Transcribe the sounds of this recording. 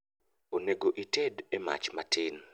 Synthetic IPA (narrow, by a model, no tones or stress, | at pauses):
oneɡoʔitedema̰t͡ʃmatɪn